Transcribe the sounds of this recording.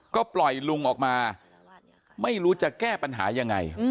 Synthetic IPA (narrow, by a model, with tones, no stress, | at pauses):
kɔː˥˩plɔ˨˩jlu˧ŋʔɔː˨˩k̚maː˧ | ma˥˩jɾuː˦˥t͡ɕa˨˩kɛː˥˩pa˧nɦa̰ː˩˦ja˧ŋːa̰˧j